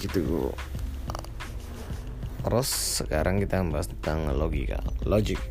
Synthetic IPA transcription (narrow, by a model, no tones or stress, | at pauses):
it̪ṵ | rɔsːəkaɾaŋkit̪aəmbaɦast̪ət̪aŋloɡḭka̰llod͡ʒɪk̚